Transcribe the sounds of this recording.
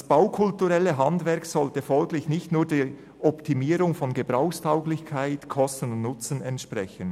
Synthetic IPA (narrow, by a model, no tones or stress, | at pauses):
dsb̥aʊkʰʊltuʁɛlːəɦɑndvɛɾksɔltəfɔlɡlɪçnɪçtnuːdiː | ʔɔptʰimiːɾʊŋfɔnɡəb̥ʁaʊxstʰaʊɡlɪçkʰaɪtkʰɔstən̩ʊntnʊt͡sənɛntʃpʁɛçən